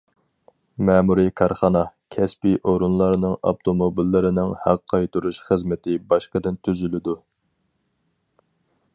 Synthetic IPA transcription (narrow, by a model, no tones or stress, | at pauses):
mɛːmuɾɨkʰɑɾχɑnɑkʲʰɛspiʔoɾunlˠɑɾnɨŋɑ̰pt̪ʰomobilːɪɾɪnɪŋhæqʰːɑjt̪ʰuɾuʃχəzmɪt̪ʰɪbɑʃqəd̪ɪnt̪ʰyzylɪd̪u